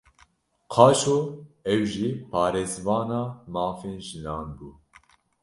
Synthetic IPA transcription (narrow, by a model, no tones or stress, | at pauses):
qʰɑːʃoːɛwʒiːpʰɑːɾeːzvɑːnɑːmɑːfeːnʒɨnɑːnbuː